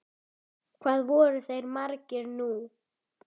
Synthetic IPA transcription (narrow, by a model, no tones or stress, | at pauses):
kʰv̥aːðvɔːɾʏθejɾmaɾcɪɾnu